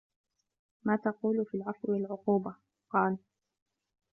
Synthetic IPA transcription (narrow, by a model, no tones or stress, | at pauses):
maːt̪ɑquːlʊfilʕɑfwɪwalʕʊquːba | qɑːl